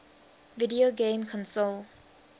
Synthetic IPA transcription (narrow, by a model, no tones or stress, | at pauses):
vɪdioɡẽːmkʰɔ̃nsol